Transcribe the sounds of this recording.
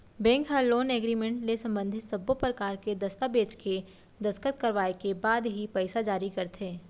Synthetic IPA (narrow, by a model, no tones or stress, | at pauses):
bɛ̃ːŋkɦaloːnɛːɡɾiːmẽɳʈnesɐ̃mbə̃nd̪ʱɪt̪sɐbopɾɐkaːɾked̪ɐst̪abeːt͡ʃke | d̪ɐskət̪̚kɐɾʋaːekebaːd̪ɦipɛɪsad͡ʒaːɾikɐɾt̪ʰeː